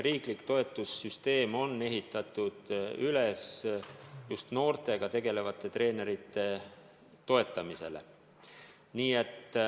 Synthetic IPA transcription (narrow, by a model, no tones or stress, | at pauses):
riːklikt̪o̞e̞t̪ˑːusːyst̪e̞ːmo̞nːe̞ɦit̪ːˑɑt̪ːˑud̪̥yles | just̪no̞ːrt̪e̞ɡ̥ɑt̪e̞ɡ̥e̞le̞vɑt̪ˑːe̞t̪ɾe̞ːne̞ɾit̪ːˑe̞ | t̪o̞e̞t̪ːˑɑmise̞̰le̞̰ | niːe̞t̪ː